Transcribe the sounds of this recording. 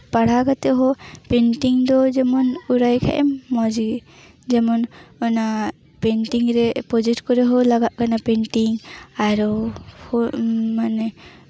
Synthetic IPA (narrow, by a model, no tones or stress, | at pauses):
paɽ̤aɡat̪ɛɦɔpɛnʈiŋd̪ɔd͡ʒɛmɔnuɾajkʰa̰ʔɛmːɔd͡ʒi | d͡ʒɛmɔnɔna | pɛnʈiŋɾɛpɔd͡ʒɛtkɔɾɛɦɔlaɡaʔkanapɛɳʈiŋaɾɔhɔmanɛ